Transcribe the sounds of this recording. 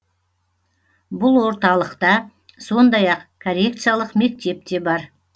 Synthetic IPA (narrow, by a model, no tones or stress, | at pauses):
bʊlˠwo̞ɾt̪ɑlˠəqt̪ɑ | so̞nd̪ɑjɑqkʰoɾʲe̞k̚t̪sɨjalˠəqme̞k̚t̪e̞p̚t̪e̞bɑɾ